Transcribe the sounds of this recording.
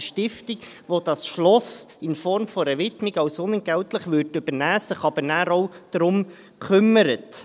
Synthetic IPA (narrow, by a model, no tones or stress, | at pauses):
ʃtɪftɪk | ʋod̥ɑsʃlɔsɪnfɔɾmfɔɾɛɾʋɪtmiɡɑwsʊnənɡ̥æwtləχʋʏɾtʉb̥əɾnæːsəχɑb̥əɾnæːɾowd̥ɾʊm | kʰʏmːəɾət